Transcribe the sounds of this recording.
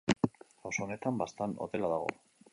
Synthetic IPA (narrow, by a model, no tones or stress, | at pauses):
awsone̞t̪ambast̪ano̰ðe̞laðaɣo̞̰